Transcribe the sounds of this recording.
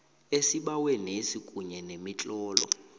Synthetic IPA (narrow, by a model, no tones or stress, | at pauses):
esiɓawɛnesikʼuɲɛnemit͡ɬʼɔːlɔ̰